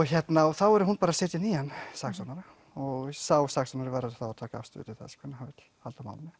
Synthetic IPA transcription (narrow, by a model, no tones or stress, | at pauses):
ɔɣçjɛt̪naθawɛɾʏhunpaːɾaseːt̪ɪnihanːsaksɔnaɾa | ɔɣsaːwsaksɔnaɾɪvaɾaðʏθawat̪ʰaːkaa̰fst̪ʏ̰ːt̪ɪθɛ̰sḁkʰvɛnːhavɪt̪ | halt̪ama̰wlɪnɪ